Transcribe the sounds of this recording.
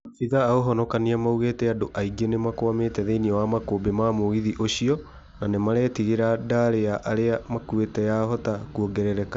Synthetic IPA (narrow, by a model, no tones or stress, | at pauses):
siðaːoɦɔnɔkaniamauɣetɛadoʔaiɡenemakoameːtɛðeiniɔwamakoːbemamoɣiðiʔoɕiɔ | nanemaɾɛːtiɣeɾadaɾeaʔaɾeamakuetɛjaɦɔtakuoɡɛɾɛɾɛka